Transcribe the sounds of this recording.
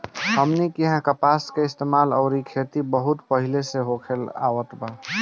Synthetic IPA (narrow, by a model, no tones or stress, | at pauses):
həmnikiɦãkəpaskeɪst̪emalɔʊɾikʰet̪ibəɦut̪pəɦileseɦokʰela̰wət̪ba